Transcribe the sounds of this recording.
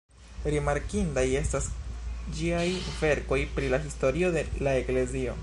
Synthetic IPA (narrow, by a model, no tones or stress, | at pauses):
ɾimaɾkindaje̞stasd͡ʒiajve̞ɾko̞jpɾilahisto̞ɾio̞delae̞kle̞zio̞̰